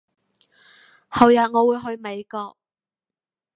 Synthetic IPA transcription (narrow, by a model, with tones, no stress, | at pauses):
hɐ˨wjɐ˨t̚ŋɔː˨˧wuː˨˧˥jɦɵ˧ɥme˨˧jkɔː˧k̚